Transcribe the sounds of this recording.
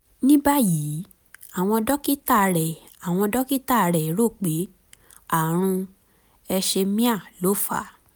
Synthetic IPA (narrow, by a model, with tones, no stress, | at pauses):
nĩ˦ba˦jiː˨˦ | a˦˨w̃ɔ̃˧dɔ˦ki˦ta˦˨ɾɛ˨ | a˨w̃ɔ̃˧dɔ˦ki˦ta˦˨ɾɛ˨˦ɾo˦˨k͡pe˨˦ | a˦˨ɾ̃ũ˧ | ɛ˧ʃe˧mĩ˦a˦˨lo˦fa̰˦˨